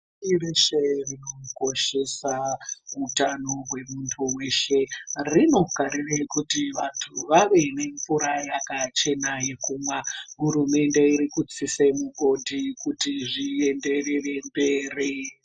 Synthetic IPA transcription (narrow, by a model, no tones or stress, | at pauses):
ireʃerino̞ko̞ʃe̞sautanoɦwe̞muntʰuwe̞ʃe̞rino̞ɡʱaɾirekutiʋantʰuʋaʋe̞ne̞ɱpuɾajakat͡ʃe̞naje̞kumwaɦuɾume̞nde̞iɾikut͡sisemuɡʱo̞dʱikutiʐie̞nde̞rere̞mbe̞ːri